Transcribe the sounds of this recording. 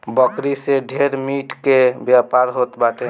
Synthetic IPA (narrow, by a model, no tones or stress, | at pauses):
bəkɾiseɖʱeɾmiʈkebjapaɾɦot̪baʈe